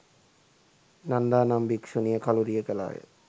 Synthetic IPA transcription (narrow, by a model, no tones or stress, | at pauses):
nand̪aːnambikʃunijəkaluɾijəkəla̰ːjə̰